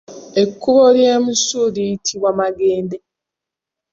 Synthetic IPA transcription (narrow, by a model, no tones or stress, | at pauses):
ekːuβolje̞ːmusuliitʰiβwamaɡeːnde